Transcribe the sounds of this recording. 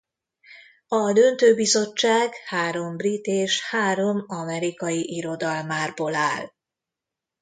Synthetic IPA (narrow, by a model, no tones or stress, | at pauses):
ɒd̪ønt̪øːbizo̞t͡ʃːaːɡhaːɾo̞mbrit̪eːʃhaːɾo̞mɒmɛɾikɒjiʔiɾo̞d̪ɒlmaːrbolaːl